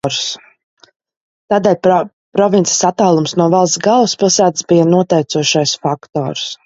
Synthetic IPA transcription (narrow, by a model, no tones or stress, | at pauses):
ɾs | t̪aːd̪ɛːlʲ | pɾɔvʲintsʲi̥sat̪ːaːlˠumsnuɔvalˠsɡalˠuspilˠsæːt̪əsbijanuɔt̪ɛjt̪suɔʃajsfakt̪ɔ̰ːɾs